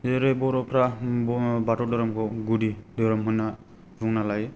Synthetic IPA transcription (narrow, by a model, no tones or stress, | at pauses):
eɾebɔɾɔpʰɾa | batɔdɔɾɔmkʰɔɡudidɔɾɔmɦujnːa | ɾuŋnalaj